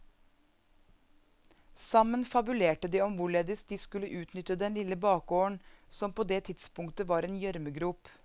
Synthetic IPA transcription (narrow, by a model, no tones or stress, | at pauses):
sɑmənfɑbʉleːʈəd̪iːɔmʋʊɭeːd̪ɪs̚d̪iːskʉləʔʉːt̪nʏt̪əd̪ɛnlɪləbɑːkoːəɳsɔmpʰoːd̪eːt̪ʰɪd̪spʊŋkt̪əʋɑːɾeːnjœɾməɡɾuːp